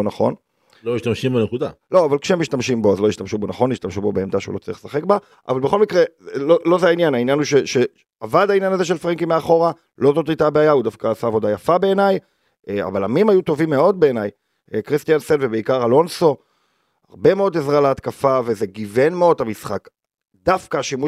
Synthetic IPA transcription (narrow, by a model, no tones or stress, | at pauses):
onaχo̞n | loiʃtamʃimbenekud̪a̰lo̞avalkʃeemiʃtamʃimbo̞azlo̞iʃtamʃubo̞naχo̞nːiʃtamʃubo̞beːmd̪aʃeṵlo̞t͡saʁiχlsaχe̞kba | ʔa̰valbe̞xo̞lmikʁelolo̞zeainjanainjanuʃe̞ʃe | avad̪ainjanaze̞ʃ̬elfʁiŋkimeaχo̞ʁa | lo̞zo̞t̪it̪abeajaud̪afkaːsaːvo̞d̪ajafabe̞ːnaj | a̰valamimajut̪o̞vimːe̞o̞d̪̚be̞ːnaj | kʁist̪ijansenvebeikaʁalo̞nso̞ | aʁbe̞meo̞d̪ezʁaleatkafave̞ze̞ɡive̞nmeo̞damisχak | d̪afkaʃimu